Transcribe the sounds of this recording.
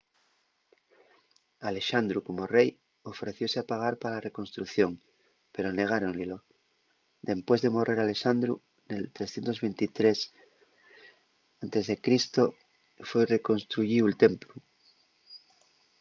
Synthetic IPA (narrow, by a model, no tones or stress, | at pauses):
ale̞ʃand̪ɾuko̞morej | ofɾeθjo̞seapaɣ̞aɾpaalareko̞nst̪ɾuθjo̞ŋ | pe̞ɾone̞ɣ̞aɾonlelo | d̪e̞mpwe̞zðemo̞rʔe̞ɾale̞ʃand̪ɾṵ | nelt̪ɾesθje̞nt̪o̞zβent̪it̪ɾes | ant̪e̞zðe̞kɾist̪o | fwejre̞ko̞nst̪ɾuʝiuelt̪emplu